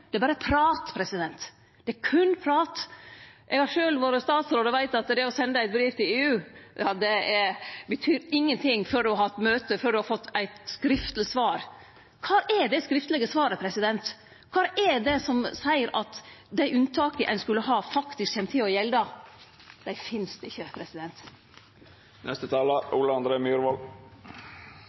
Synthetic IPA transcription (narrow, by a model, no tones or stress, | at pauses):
d̪ɛbɑːɾəpʰɾɑːt̪pʰɾɛsɪd̪ɛnt̪ | d̪̥ɛkʰʉnpʰɾɑːt̪ʔɛɡhɑʂøːlʋoːɾəst̪ɑːt̪sɾoːd̪əʋæɪt̪ɑt̪d̪ɛɔsɛnd̪əæɪt̪̚bɾiːft̪ʰɪleːʉːjɑːd̪ɛɛɾbət̪ʰyːɾɪŋːənt̪ʰɪŋfœɖʉɦɑːɛt̪møːt̪əfœɖʉhɑfɔt̪ːæɪt̪skɾɪft̪lɪsʋɑːɾ | kʰɑːʔɛɖ̪ɛskɾɪft̪əlɛɡəsʋɑːɾəpʰɾɛsɪd̪ɛnt̪ | kʰɑːʔɛɖɛsɔmsæɪəɾʔɑt̪d̪æɪʔʉnt̪ʰɑːkəʔɛ̰nskʉlːəɦɑːfɑkt̪ɪskçɛmət̪ʰɪːɔjɛld̪ɑ | d̪̥æɪfɪnsd̪ɪçːəpʰɾɛsɪd̪ɛnt̪ | nʔɛst̪ət̪ʰɑːləuːləɑnd̪ɾeːmjuːɾʋɑl